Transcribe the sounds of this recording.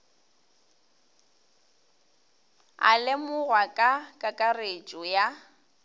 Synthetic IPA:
a̰lɪmʊɣwakʼakʼakʼaret͡ʃʼɔja

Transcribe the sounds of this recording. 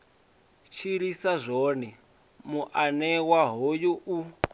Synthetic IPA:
t͡ʃʰiɾisazʷɔni | muʔanɛwaɦojuʔu

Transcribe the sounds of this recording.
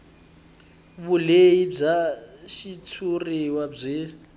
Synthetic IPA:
βuleib͡ʐaʃit͡sʰuriwab͡ʐʷeː

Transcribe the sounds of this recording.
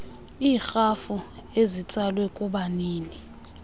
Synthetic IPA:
iːxafuezit͡sʼalwɛkʼuɓaniːni

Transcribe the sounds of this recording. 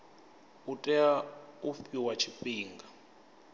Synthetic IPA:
utʼɛaufiwat͡ʃʰipiːŋɡa

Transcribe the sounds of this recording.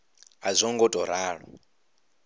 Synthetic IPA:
azʷɔŋɡɔtʼɔɾaːɺɔ̰

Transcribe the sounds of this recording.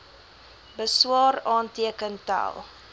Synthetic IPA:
bəswɑːrɑːntiəkənta̰lˠ

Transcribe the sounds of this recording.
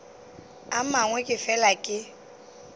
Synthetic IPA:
amaŋwɛkʼɪfɛlakʼɪ

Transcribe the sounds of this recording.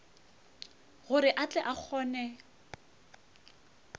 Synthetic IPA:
ɣʊɾɪʔat͡ɬʼɛʔak͡xʰɔːnɛ

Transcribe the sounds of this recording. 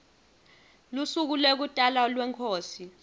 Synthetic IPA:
lusuk̬ulwek̬utʼalalwɛŋkʰoːsi

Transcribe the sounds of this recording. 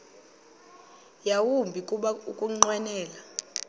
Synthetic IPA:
jawumbʱikʼuɓaukʼuŋ͡ǀwɛnɛːla

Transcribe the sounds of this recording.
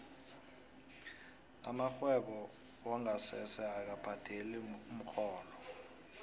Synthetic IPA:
a̰maxwɛɓɔ | wɔŋasɛsɛak̬apʰad̥ʱelium̩xɔːlɔ

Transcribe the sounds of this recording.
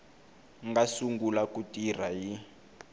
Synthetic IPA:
ŋɡasuŋɡulakutir̤aji

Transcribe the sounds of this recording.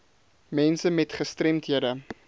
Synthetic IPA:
mɛnsəmɛtχəstrɛmtɦiədə

